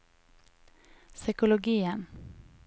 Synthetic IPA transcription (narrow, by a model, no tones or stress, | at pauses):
sʏkʊlʊɡiːən